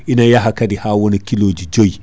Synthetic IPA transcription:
ʔinajaɦakadihaːwɔnikiloːd͡ʒid͡ʒoj

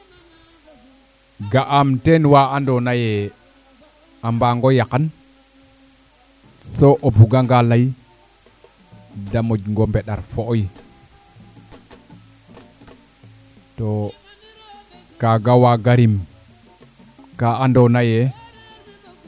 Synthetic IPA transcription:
ɡaʔamtenwaandɔnajɛ | ambaŋɡɔjakan | soʔobuɡaŋɡalaj | damod͡ʒŋɡɔmbɛɗa̰ɾfoʔj | to | kaɡawaɡaɾim | kaandɔnajɛ

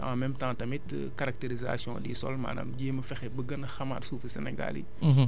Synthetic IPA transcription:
ã̰mɛmtãːtɐmit | kaɾak̚teɾiza̰sjɔ̃disɔ̰lma̰ːna̰mɟeːməfɛxɛbəɡənɐxɐma̰rsuːfəsɛnɛɡa̰lḭ

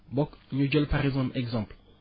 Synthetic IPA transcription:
bɔkɲud͡ʒɛlpaʁɛzãmɛɡzãmpl

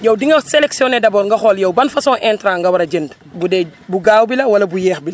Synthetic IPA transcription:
jɐwdiŋɐselɛksiɔnɛdɐbɔːɾŋɡɐxɔljɐwbɐnfɐsɔ̃ːnʔɛntɾãːŋɡɐwɐɾɐɟənd | budɛbuɡaːwbilɐwɐlɐbujɛːxbilɐ

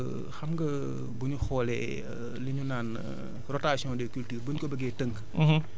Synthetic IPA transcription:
xɐmɡɐ | buɲuxɔːlɛ̰ | liɲunaːn | rɔtasiɔ̃ndɛkyltyːrbuɲkɔbəɡɛtəŋkː

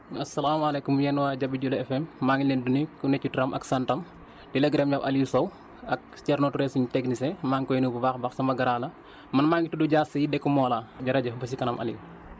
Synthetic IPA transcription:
ɐsɐlaːmɐlɛkumjɛnwaːɟɐbːiɟulɐɛfɛmːaŋilɛndunikunɛcːutuɾɐmʔɐ̰ksɐntɐm | dilɐɡɾɛmjawʔɐlijusow | ɐk̚tɛɾnotuɾɛsiɲtɛɡnisɛmaːŋkɔjnububaːxbaxsɐmɐɡɐɾaːlɐ | mɐnmaːŋɡituduɟaːsɐjidɛkːumɔːlaːɟɐɾɐɟɐbɐsikɐnɐmʔɐ̰li

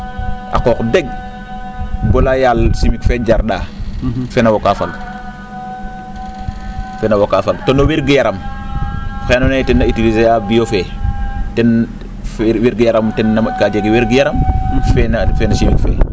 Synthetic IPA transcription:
ʔa̰qɔːkdɛɡ̚ | ɡɔlajaːlsimikfeɟaɾɗaːfɛnawokafaɡ | fɛnawokaːfaɡtonoweɾɡijaɾɐm | xenonetɛnːɐitilizejabijofeːtɛn | weɾɡijaɾamtɛnːakad͡ʒeɡiweɾɡijaɾɐmfɛnafɛːnɐsimikfɛ̰ː

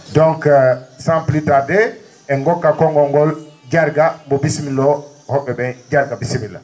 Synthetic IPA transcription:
dɔŋksamplitadɛ | ɛŋɡɔkːakɔŋɡɔŋɡɔld͡ʒaɾɡambɔbismilːɔ | hɔɓːɛbɛnd͡ʒaɾɡabisimila̰

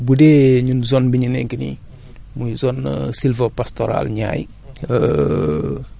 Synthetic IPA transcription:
budeːɲunzɔnbiɲinɛŋkinḭ | mujzɔnsilfəpastoɾa̰lɲa̰ːj | ə

